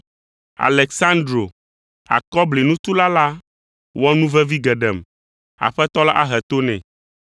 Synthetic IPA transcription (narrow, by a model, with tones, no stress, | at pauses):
a̰˨lɛ˨ksã˦nd̪ɾo˨ | a̰˨kɔ˦ble˨nũ˦t̪u˦la˦la˦ | wɔ˦nũ˦vɛ˦vi˦ɡɛ˨ɖɛ˨m | a̰˨ɸɛ˦t̪ɔ˦la˦ʔa˦ɦɛ˨t̪o˦nɛ̰̃˨